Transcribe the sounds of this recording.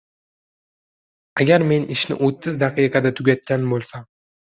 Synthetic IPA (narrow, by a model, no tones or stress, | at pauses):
aɡʲaɾme̞nɪʃnɪ̰ʔot̪ʰːɪzd̪aqɨjqʰɑd̪at̪ʰʊɡʲat̪̚kʲanbolˠsa